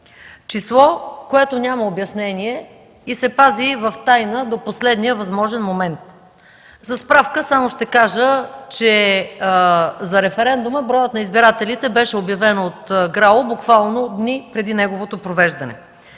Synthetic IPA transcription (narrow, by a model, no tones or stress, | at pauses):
t͡ʃislˠɔkoɛt̪onʲaməobjɐsnɛniɛ | isɛpazivɐft̪ajnəd̪oposlɛd̪nijəvɐzmɔʒɛnmomɛnt̪ | zɐspɾafkəsamoʃt̪ɛkaʒət͡ʃɛ | zɐɾɛfɛɾɛnd̪uməbɾɔjət̪nɐizbiɾat̪ɛlit̪ɛbɛʃɛobjɐvɛnot̪ɡɾalˠobukvalˠnod̪nipɾɛd̪inɛɡovot̪opɾovɛʒd̪ɐnɛ̰